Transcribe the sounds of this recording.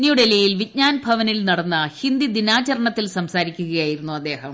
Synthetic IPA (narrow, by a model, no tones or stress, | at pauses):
njijuɽelijilʋit̚ɲaːnbʱɐʋɐnilnɐɽɐnːɐhind̪id̪inaːt͡ɕɐɾɐɳɐt̪ːilsɐmsaːɾikʲːuɣɐjaːjiɾunːuɐd̪ːe̞ːhɐm